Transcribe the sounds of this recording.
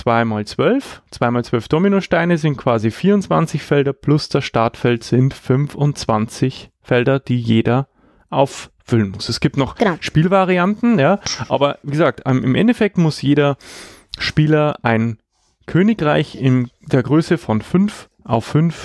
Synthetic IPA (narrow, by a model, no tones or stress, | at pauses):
t͡sv̥aɪmaːlt͡sv̥œlft͡sv̥aɪmaːlt͡sv̥œlfd̥oːminoʃtaɪnəzɪnt̚kʰv̥aːzifiːɐʊnt͡sv̥a̰nt͡sɪçfɛldɐpʰlʊsd̥ɐsʃtaɐtfɛltz̥ɪntfʏnfʊnt͡sv̥a̰nt͡sɪçfɛldɐd̥iːjeːdɐ | ʔaʊfː | ʏlənmʊsɛsɡ̥iːp̚tnɔχʃpiːlvaʁiantn̩jaːʔa̰ːbɐviːɡəzaːk̚tamɪmʔɛ̰ndefɛk̚tmʊsjeːɾɐ | ʃpiːlɐʔaɪn | kʰøːnɪkʁaɪçɪnd̥eːɐɡʁøːsəfɔnfʏnf | ʔaʊfːʏnf